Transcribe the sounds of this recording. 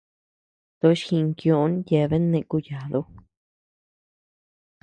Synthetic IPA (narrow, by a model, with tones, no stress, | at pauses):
t̪o˧˦ʃxĩ˧ŋkjõ˧˦nje˧˨˧βe˦nẽ˧ku˧ja˨ðo˧˦